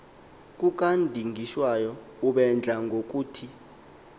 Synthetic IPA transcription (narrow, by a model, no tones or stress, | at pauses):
k̬ʼuk̬ʼandʱiŋʱiʃwajɔ | uɓɛnd͡ɮʱaŋɡʱok̬ʼuːtʰi